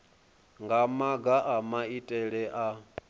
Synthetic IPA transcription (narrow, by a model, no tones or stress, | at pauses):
ŋɡamaɡaʔamaitʼɛɺɛʔa